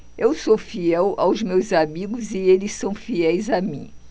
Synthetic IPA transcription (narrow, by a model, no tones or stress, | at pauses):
ewsofiɛwa̰wzmewzamiɡʊzɪelɪsːɐ̃w̃fiɛjzamĩ